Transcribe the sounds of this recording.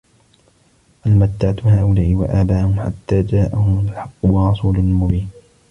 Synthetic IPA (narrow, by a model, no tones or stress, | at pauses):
ʔalmat̪ːaʕat̪haːʔʊlaːʔɪwa̰ʔaːbaːhʊmħa̰t̪ːaːd͡ʒaːʔahʊmʊlħɑqːʊwɑrˤːɑsuːlʊlmʊbiːn